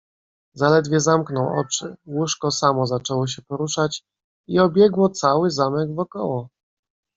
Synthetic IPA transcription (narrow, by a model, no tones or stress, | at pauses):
zalɛd̪vʲjɛzamknɔwɔ̰t͡ʂɘwuʂkɔsamɔzat͡ʂɛwɔɕ̬ɛpɔɾuʂat͡ɕ | iɔbʲjɛɡwɔt̪sawɘzamɛɡvɔkɔwɔ